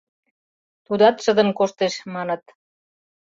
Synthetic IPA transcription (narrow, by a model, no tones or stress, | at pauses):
t̪ud̪ɑt̪ʃəd̪ə̆nkoʃt̪eʃmɑnə̆t̪̚